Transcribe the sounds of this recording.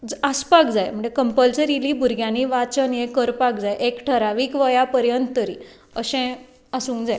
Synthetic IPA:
d͡zaspak̚d͡zajm̤əɳd͡zekəmpəlsəɾiliːbʱuɾɡʱjãniːʋat͡ɕənjekəɾpakd͡zajʔekʈʰəɾaʋiːkʋəjapəɾjənt̪t̪əɾḭ | əɕɛ̃ | əsũːkd͡zaj

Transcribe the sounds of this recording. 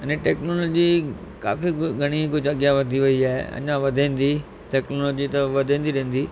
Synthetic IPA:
ənẽʈɛːknoːloːd͡ʑika̰ːfiɡʱɐɽ̃ikʊd͡ʑʱɐɠjaʋɐd̪ʱiʋɐiaːɦḛɐ̰̃ɲãʋɐd̪ʱẽːn̆d̪i | ʈɛːknoːloːd͡ʑit̪ɐʋɐd̪ʱẽːnd̪iɾɗẽɦːn̆d̪iː

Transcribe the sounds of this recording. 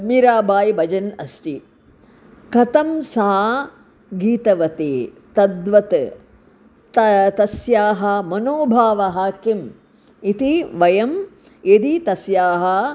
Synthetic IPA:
miɾaːbaːjbɐd͡ʒɐnɐst̪i | kɐt̪ɐmsaː | ɡiːt̪ɐʋɐt̪eː | t̪ɐd̪ʋɐt̪ | t̪t̪ɐsjaːɦɐmɐnoːbʱaːʋɐɦaːkim | it̪iʋɐjɐm | ed̪it̪ɐsjaːɦɐ

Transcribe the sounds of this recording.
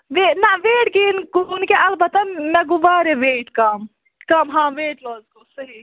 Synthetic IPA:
ʋenɐʋeːʈɡinɡunkeʔɐlbɐt̪ɐnɐɡubaːɾeʋeːʈkɐm | kɐmɦãːʋeːʈʋɐːzkosɐɦi

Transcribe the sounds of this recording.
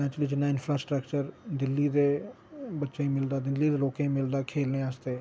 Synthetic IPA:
ɛ̃ːt͡ʃliːd͡ʒɪnːãːɪnfʰɾaːsʈɾəkt͡ʃəɾd̪ɪlːiːd̪eː | bətːʃẽːĩːmɪld̪aːd̪ɪlːiːd̪eːloːkẽːmɪld̪aːkʰeːlnẽːaːst̪eː

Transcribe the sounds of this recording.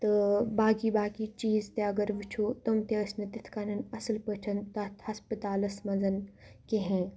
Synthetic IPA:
t̪ɨbaːɡiːbaːkiːt͡ʃiːzt̪eɐɡɐɾʋit͡ʃʰoːt̪ɐmt̪eɐsnɐt̪it̪ʰkaːnɐnɐslpət͡ʃʰɐnt̪ɐt̪ʰhɐspət̪aːlɐsmɐzɐnkeɦẽː

